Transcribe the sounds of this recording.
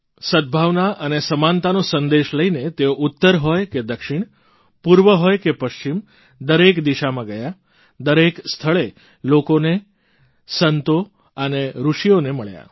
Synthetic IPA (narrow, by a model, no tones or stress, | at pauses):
sət̪̚bʱaʋnaʔənesəmant̪anosə̃nd̪eʃləinet̪eoʔut̪ːəɾɦɔjked̪əkʃɪɳ̃ | puɾʋəɦɔjkepəʃt͡ʃim | d̪əɾekd̪iʃamãɡəja | d̪əɾekst̪ʰəɭe | lokone | sənt̪o | əneɾuʃijoneməɭja̰